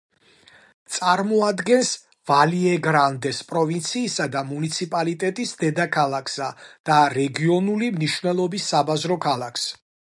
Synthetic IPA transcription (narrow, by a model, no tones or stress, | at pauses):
t̪sʼaɾmɔad̪ɡɛns | valiɛɡɾand̪ɛspʼɾɔvint̪sʰiːsad̪amunit̪sʰipʼalit̪ʼɛt̪ʼisd̪ɛd̪akʰalˠakʰsad̪̥aɾɛɡiɔnulimniʃvnɛlˠɔbisːabazɾɔkʰalˠakʰs